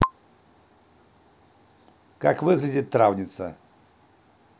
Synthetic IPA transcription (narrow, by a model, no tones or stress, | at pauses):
kakvɨɣlʲɪdʲit̪̚t̪ːɾavnʲɪt̪sɐ̰